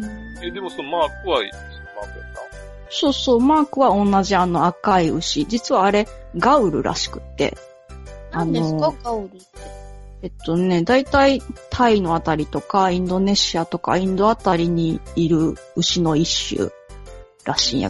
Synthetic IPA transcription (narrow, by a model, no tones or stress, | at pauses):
ɯ | ed̪e̞mosonomaːkɯ̟βaḭ | sɨmaːkɯk̪a | so̞ːso̞ːmaːkɯ̟βaõ̞nːaʑiano̞akaiɯ̟ɕid͡ʑit͡sɨβaːɾe̞ɡaɯ̟ɾɯ̟̰ɾʔa̰ɕi̥kɯ̟̥t̪ːe̞̰ | aneoɡaɯɾi | ee̞t̪ːo̞ne̞d̪ait̪ait̪ʰaino̞at̪aɾʲit̪o̞kaĩnd̪o̞ne̞ɕiat̪o̞ka̰ĩnd̪o̞at̪aɾʲiɲ̟iːɾɯ̟ɯ̟ɕino̞iɕɯ̰ | ɾaɕĩɰ̰̃ja̰